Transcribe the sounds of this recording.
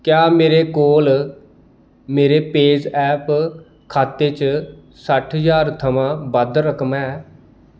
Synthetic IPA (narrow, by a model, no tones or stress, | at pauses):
kjaːmeːɾeːkoːl | meːɾeːpeːd͡ʒɛːp | kʰaːt̪eːt͡ʃ | səʈʰɦəzaːɾt̪ʰəmãːbəd̪ɾəkʰmɛː